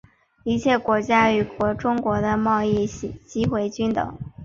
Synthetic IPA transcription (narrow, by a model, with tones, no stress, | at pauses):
i˧˥t͡ɕʰjɛ˥˩kwɔ˧˥t͡ɕja˥y˨˩kwɔ˧˥ʈ͡ʂʊ˥ŋkwɔ˧˥d̪ə˧mɑ˥˧ʊi˥˩˧t͡ɕi˥xwe˧˥ɪt͡ɕy˥nt̪ɤ̰˨˦ŋ